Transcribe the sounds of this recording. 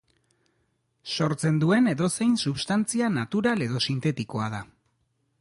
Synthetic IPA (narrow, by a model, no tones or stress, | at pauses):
so̞ɾt͡se̞nd̪ue̞ne̞ðo̞se̞jnsuβst̪ant͡sianat̪uɾale̞ðo̞sint̪e̞t̪iko̞að̞a